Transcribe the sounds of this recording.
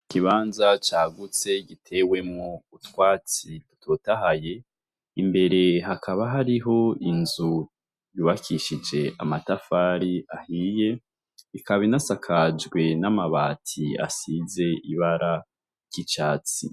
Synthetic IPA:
kiβaːnzat͡ʃaːɡut͡se̞ɡitʰe̞we̞mŋoutwaːt͡sidutʰotaɦaje̞ | imbe̞ɾe̞ɦakʰaβaɦaɾiɦo̞inzu | juːβakʰiʃid͡ʒe̞ʔamatafaːɾiahije̞ | ikʰaβinasakʰad͡ʒɡwe̞namaβaːtʰia̰size̞iβaɾʔa | ɟit͡ʃaːt͡sḭ

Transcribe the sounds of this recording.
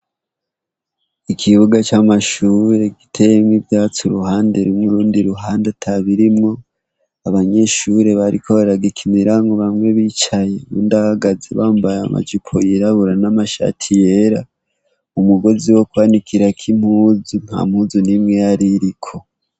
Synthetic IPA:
ikʰiβuɡat͡ʃamaʃuːɾe̞ɡi̥tʰe̞jemŋivjaːt͡suɾuhaːndeɾimŋuɾuːndiɾuɦaːndatʰaβiɾimŋo̞ | aβaɲe̞ʃuɾe̞βaɾikʰoβaɾaɡikʰimiɾaŋɡoβamŋe̞βiːt͡ʃaje̞βṵːndahaɡazḛβaːmbajama̰d͡ʒipʰojiɾaβuɾanamaʃa̰tʰije̞ɾa | umuɡo̞ziwo̞kwanikʰiɾakʰim̥huzun̥ha̰m̥huzunimŋejaɾiɾikʰo̞

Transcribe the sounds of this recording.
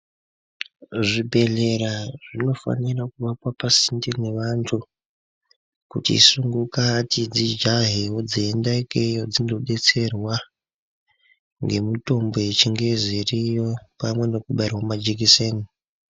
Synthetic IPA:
ʐibʱe̞ɮe̞ɾaʐino̞fa̰nirakuʋakwapasindine̞ʋantʰu | kṵtḭːsuŋɡukatid͡zid͡ʒaɦiɦod͡ziendaikejod͡zino̞ɗe̞t͡se̞rwa | ŋɡe̞muto̞mbo̞jet͡ʃiŋɡe̞zirijo̞pamwe̞no̞kuɓaerwamad͡ʒik̬iseːni

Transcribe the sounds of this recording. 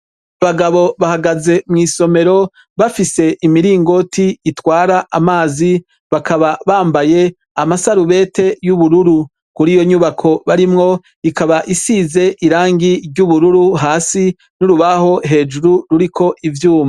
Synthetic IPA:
aβaɡaβo̞βahaɡaze̞mŋiːso̞me̞ɾo̞ | βafise̞ʔimiɾiːŋɡo̞tʰiːtwaːɾaʔamaːzi | βakaβaβaːmbaje̞ | amasaɾuβe̞ːte̞juβuɾuɾu | kuɾiːjo̞ɲuβakʰo̞βaɾimŋo̞ | ikaβaʔisize̞ʔiɾaːŋɡiɾɟuβuɾuɾuɦaːsi | nuɾuβaho̞ɦe̞ːd͡ʒuɾuɾuɾikʰo̞ʔivjuːma

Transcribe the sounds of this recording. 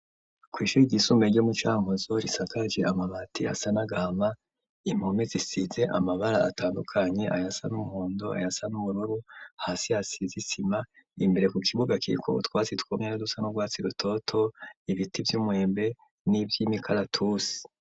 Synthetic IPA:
kwiːʃuɾiɟisumbeɾɟomut͡ʃaːŋozo̞ɾisakad͡ʒeʔamaβatia̰sanaɡaːma | imhomizisize̞ʔamaβaɾaːtaːndukʰaɲe̞ʔajasanumuhuːndoa̰jasanuβuɾuɾuhasihasizisima | imbe̞ɾe̞kukʰiβuɡakiɾḭkʰo̰twaːt͡sitwoːmɲanodusanuɡwaːt͡siɾutʰo̞tʰo̞iβitivjumwe̞ːmbe̞ | nivjiːmikʰaɾatʰusi̥

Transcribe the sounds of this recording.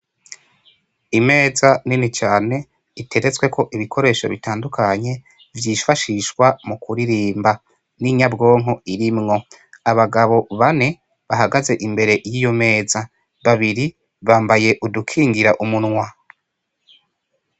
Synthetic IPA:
ime̞ːzaninit͡ʃaːne̞ | itʰe̞ɾe̞t͡swe̞kʰo̞ʔiβikʰo̞ɾe̞ːʃo̞̰βitaːndukʰaɲe̞ | vjiːfaʃiʃwamukʰuɾiɾiːmba | niɲabɡo̞ːŋo̞iɾimŋo̞ | aβaɡaβo̞βane̞ | βaɦaɡaze̞ʔimbe̞ɾe̞jiːjo̞me̞ːza | βaβiɾi | βaːmbaje̞ʔudukʰiːŋɡiɾaʔumunŋwa

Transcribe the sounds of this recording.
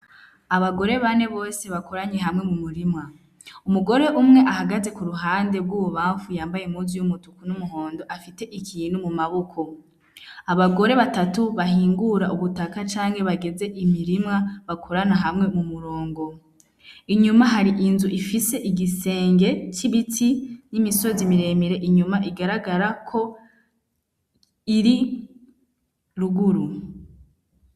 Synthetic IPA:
aβaɡo̞ɾe̞βane̞βo̞ːse̞βakoɾaɲeɦamŋe̞mumuɾimŋa | umuɡo̞ɾe̞ʔumŋe̞ʔaɦaɡaze̞kuɾuɦaːnde̞bɡuoβaːɱfujaːmbajemuːzijumutukunumuɦo̞ːndo̞ʔafite̞ʔikʰiːn̤umumaβokʰo̞ | aβaɡo̞ɾe̞βatatuβaɦiːŋɡuɾaʔuβutakat͡ʃaːŋhe̞βaɡe̞ze̞ʔimiɾimŋaβakʰo̞ɾanaɦamŋe̞mumuɾo̞ːŋɡo̞ | iɲumaɦaɾiʔinzuʔifise̞ʔiɡise̞ːŋɡe̞ciβitʰinimiso̞zimiɾe̞miɾe̞ʔiɲumaʔiɡaɾaɡaɾakʰo̞ | iɾi | ɾuɡuɾu

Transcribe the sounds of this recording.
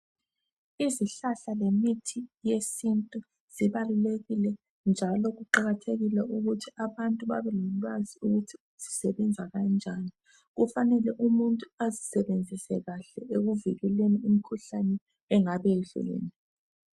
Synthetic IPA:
iziɬaɬalemitʰijesintʼu | z̥iβaluleɣilɛ | nd͡ʒʱalɔɣuǃaɣatʰeɣilɛʔuɣutʰiaβantʼuβa̰βɛlɔlwaziuɣutʰiuz̥isɛβɛnd͡zʱaɣand͡ʒʱani | ɣufanɛlɛʔumuntʼuazisɛβend͡zʱisɛɣaɬɛʔeɣuviɣɛleniimikʰuɬanɛː | ŋaβeɮṵlḛːni

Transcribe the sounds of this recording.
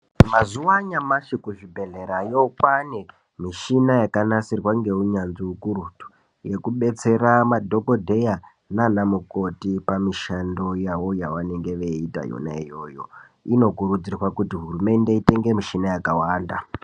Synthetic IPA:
mazuʋaɲamaʃikuʐibʱe̞ɮe̞ɾajokwane | miʃinajakanasirwaŋɡe̞uɲanziukuɾutu̥ | je̞kuɓe̞t͡se̞ramadʱo̞kodʱe̞ja | nanamuko̞tipamiʃando̞jawo̞jawane̞ŋɡe̞ʋe̞ita̰jo̰na̰ijo̞ːjo̞̰ | ino̞kuɾud͡zirwakutiɦurume̞nde̞ite̞ŋɡe̞miʃinajakawaːnda̰

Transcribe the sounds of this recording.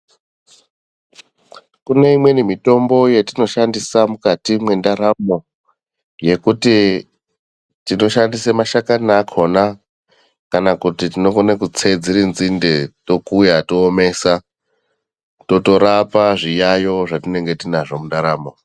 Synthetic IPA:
kune̞imwe̞nimito̞mbo̞jetino̞ʃandisamukatimwendaɾamo̞ | je̞kuti | tino̞ʃandisemaʃakanakʰo̞na | kanakutitino̞konekut͡se̞d͡ziɾinzindeto̞kujatoːme̞ːsa | to̞to̞ɾapaʐijajo̞ʐatine̞ŋɡe̞tinaʐomundaɾaːmo̞

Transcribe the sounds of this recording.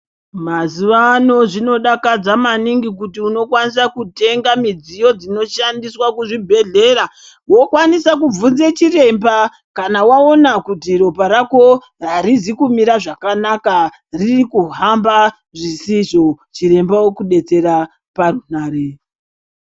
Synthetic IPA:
maziʋano̞ʐino̞ɗakad͡zamaniŋɡikutiuno̞kwanis̬akute̞ŋɡamid͡zijo̞d͡zino̞ʃandiswakuʐibʱe̞ɮe̞ɾa | wo̞kwanisakub͡vunze̞t͡ʃire̞mba | kanawao̞nakutiɾo̞paɾako̞ | raɾizikumiɾaʐakanaka | ririkuɦamba | ʐisiʐo̞t͡ʃiɾe̞mbawokuɗe̞t͡se̞ɾa | parunaːɾe

